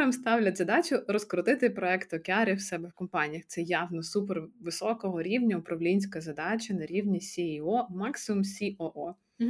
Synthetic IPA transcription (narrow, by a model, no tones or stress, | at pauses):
ɾɐmst̪ɑwlʲɐt̪ʲzɐd̪ɑt͡ʃʊɾɔskɾɔt̪ɪt̪ɪpɾɔɛkt̪ɔkʲeɑɾʲiwsɛbɛwkɔmpɑnʲijɐxt̪sɛjɑʋnɔsuperʋɪsɔkɔɦɔɾʲiwnʲɐʊpɾɐʋlʲinʲsʲkɐzɐd̪ɑt͡ʃʲɐnɐɾʲiwnʲisʲiiɔmɑksɪmʊmsʲiʔɔʔɔ